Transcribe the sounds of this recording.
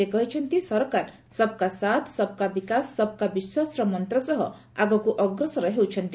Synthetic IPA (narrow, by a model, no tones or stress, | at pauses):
ekɔɦit͡ʃʰɔnt̪isɔɾkaɾ | sɔb̚kasat̪ʰsɔb̚kabikasːɔb̚kabiswasɾɔmɔnt̪ɾɔsɔɦɔ̰ | aɡɔkuʔɔɡɾɔsɔɾɔɦewt͡ʃʰʌnt̪i